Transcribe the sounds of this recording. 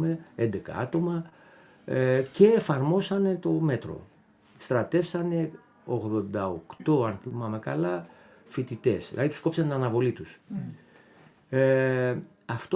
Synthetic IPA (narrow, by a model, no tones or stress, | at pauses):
meend̪e̞kɐ̰ɐ̰t̪o̞mɐ | ce̞ːfɐɾmo̞sɐne̞t̪o̞me̞t̪ɾo̞̰ | st̪ɾɐt̪e̞fsɐne̞ | o̞ɣðo̞nd̪ɐo̞kt̪o̞ɐnθimɐmekɐlɐ | fit̪it̪e̞sðilɐðit̪sko̞psɐnt̪inɐnɐvo̞lit̪us | ɐft̪o